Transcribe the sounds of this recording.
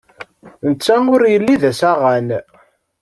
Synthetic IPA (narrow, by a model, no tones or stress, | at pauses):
nət͡sːæʊɾjəlːiðæsæʁæn